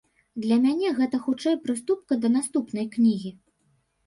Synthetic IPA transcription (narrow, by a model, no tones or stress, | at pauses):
d̪lʲɐmʲanʲɛɣɛt̪ɐxut͡ʂɛjpɾɨst̪up̚kɐd̪ɐnast̪upnɐjknʲiɣʲi